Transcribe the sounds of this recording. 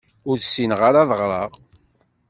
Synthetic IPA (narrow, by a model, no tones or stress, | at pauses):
ʊɾsinʁaɾɑðəʁɾˤɑʁ